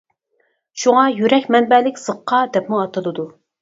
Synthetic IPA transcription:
ʃuŋɑjyɾɛkʲmɛnbɛlɪkʲz̥əqʰːɑd̪ɛpmuɑt̪ɨlˠɨd̪u

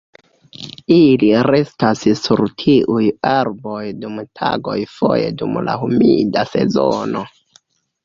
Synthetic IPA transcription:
iliɾe̞stassuɾtʰiʔujaɾbo̞jdumtʰaɡo̞jfo̞je̞̰dumla̰humidase̞zono̞

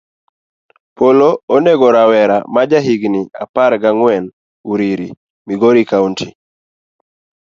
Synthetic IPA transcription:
poloːneɡɔɾawɛɾa̰mad͡ʒaɦiɡnia̰paɾɡaŋwɛn | uɾiɾḭ | miɡoɾikauntʰḭ

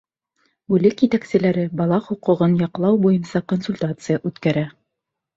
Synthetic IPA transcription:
ʉlɘkit̪æksɘ̆læɾɘbɑlˠɑχuqŭʁɤnjɑqlˠɑwbujɤnsɑkonsulʲt̪at̪sɨjaʔʉt̪kæɾæ

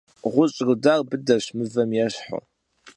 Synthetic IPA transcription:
ʁʷʊɕʼrɨdarbɨdɐɕmɨvɐmjɛɕħo̰

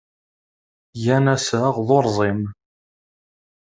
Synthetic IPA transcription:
jænæsʕaʁðˤoɾˤzˤim

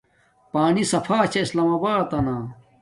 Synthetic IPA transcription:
paːnisɐfʰaːt͡ɕɐislaːmɐːbaːt̪ɐnaː

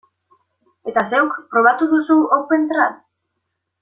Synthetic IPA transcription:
e̞t̪ase̞okpɾo̞βat̪uðusuope̞nt̪ɾan

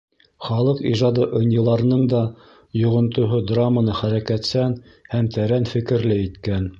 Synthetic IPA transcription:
χɑlˠɤqiʒɑd̪ɤʔŏnʲilˠɑɾɤnɤɴd̪ɑ | jŏʁŏnt̪ŏɦod̪ramːanɤχæɾækæt̪sæn | hæmt̪æɾænfɘ̆kɘ̆ɾlɘit̪kæn

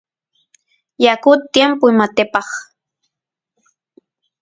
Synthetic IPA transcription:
jakʊt̪ːjempʊɪmat̪ɪpɑχ

